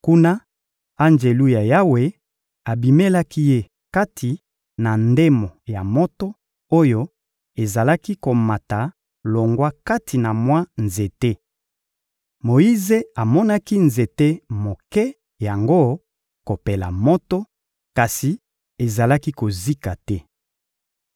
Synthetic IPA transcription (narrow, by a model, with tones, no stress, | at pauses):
ku˦na˦ | a˦nd͡ʒe˨lu˦ja˨ja˦we˨ | a˨bi˨me˦la˦ki˦je˦ | ka˦tʰi˨ | na˨nde˦mo˨ja˨mo˦to˦ | o˦jo˦ | e˨za˨la˦ki˦ko˨ma˨ta˨ | lo˨ŋɡwa˦ka˦tʰi˨na˨mwa˦nze˨te˦ | mo˨i˦ze˦a˨mɔ˦na˦ki˦nze˨te˦mo˨kɛ˦ | ja˨ŋɡo˦ | ko˨pe˨la̰˨mo˦to˦ | ka˨si˨ | e˨za˨la˦ki˦ko˨zi˦ka˨tɛ˦